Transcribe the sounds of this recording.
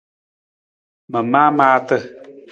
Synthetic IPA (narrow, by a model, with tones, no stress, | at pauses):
mə˨maː˦maː˦tə˦